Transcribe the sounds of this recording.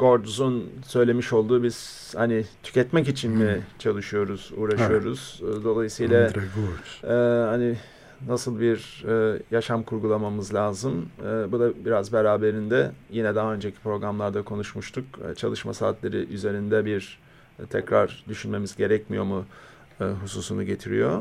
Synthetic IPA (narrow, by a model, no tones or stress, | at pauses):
ɡo̞ɾd̪uzunsø̞jlʲe̞miʃo̞lˠd̪uːbiz̥ | hanɪt̪ʰy̥cɛt̪mɛcit͡ʃʰinmit͡ʃʰalˠɯʃɯjo̞ɾuz̥ṵːɾaʃɯjo̞ɾuz̥d̪o̞lˠajɯsɯjlˠaɡoɛːhani | nasɯlˠbiɾːjaʃamkʰuɾɡulˠamamɯzlʲaːzɯmːbud̪abiɾazbeɾaːbe̞ɾind̪ɛjinɛd̪aɦaø̞nd͡ʒecʰi̥pɾo̞ɡɾamlˠaɾd̪akʰo̞nuʃmuʃt̪ʰukt͡ʃʰalˠɯʃmasa̰ːt̪lʲeɾḭʔyze̞ɾind̪ɛbiɾ | t̪ʰɛcɾa̰ɾd̪yʃynme̞mizɟe̞ɾɛcmijo̞mu | ɦusuːsunuɟe̞t̪ʰiɾḭjo̞